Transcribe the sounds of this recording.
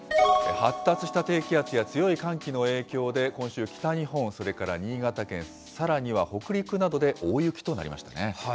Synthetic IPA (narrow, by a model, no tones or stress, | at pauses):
hat̪ːat͡sɨɕi̥t̪at̪e̞ːkʲiat͡sɨjat͡sɨjo̞ikãŋkʲino̞e̞ːkʲo̞ːd̪e̞kõɰ̃ɕɨːkʲi̥t̪aɲihõ̞ɴ̃so̞ɾe̞kaɾa̰ɲ̟iːɡat̪akẽ̞ɰ̃ | saɾaɲ̟iβ̞aho̞kɯ̟ɾʲikɯ̟nad̪o̞d̪e̞ʔoːjɯ̟kʲi̥t̪o̞na̰ɾʲḭma̰ɕi̥t̪a̰ne